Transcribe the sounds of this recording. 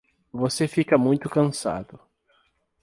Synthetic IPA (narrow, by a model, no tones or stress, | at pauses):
vosefikɐmũj̃t̪ʊkɐ̃sa̰d̪ʊ